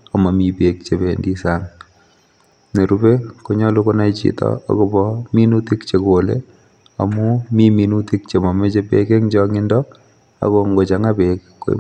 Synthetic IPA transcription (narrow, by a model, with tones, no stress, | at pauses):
a˨ma˨mi˨pek̚t͡ʃe˨bendi˦saŋ | ne˨ɾube˦ko˦ɲɔ˦lu˦ko˦na˦it͡ʃḭtɔ̰a̰˨ko˨bɔmi˦nuti˦kt͡ʃe˨kolḛ | a˨mu˦mi˦mi˨nuti˦k̚t͡ʃe˨mɔ˨me˦t͡ʃepḛ˦ke˦ŋd͡ʒɔŋɪ˦ndɔ˦ | a̰˨ko˨ŋɡo˨t͡ʃa˨ŋa˦pek | kːo̰˦